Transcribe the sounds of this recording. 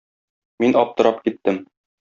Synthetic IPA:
minɒp̚t̪ɤ̆ɾɑpkit̪ːɘm

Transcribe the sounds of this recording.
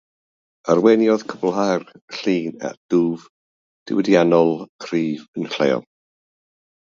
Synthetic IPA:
arwɛnjɔðkʰəbl̩ˠɦarɬiːna̰d̥uːv | d̥ɪ̰wɛdjanɔlˠkʰriːvənɬḛjɔ̰lˠ

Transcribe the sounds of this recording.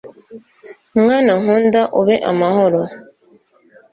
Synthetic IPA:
mŋaːnaŋhuːndaʔuβeʔamahoɾo

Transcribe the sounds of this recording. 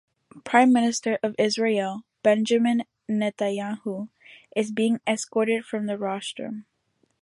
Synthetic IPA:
pʰɹ̥ãɪ̃mːɪ̃nɨstə˞ʔʌvɪzɹel̩ˠb̥ɛ̃nd͡ʒɨmɨ̃nː | ɛtajahu | ʔɨzbiɪ̃ŋɛskɔɹɾɨd̥fɹʌ̃mðɨɹɑʃtə̰̃m

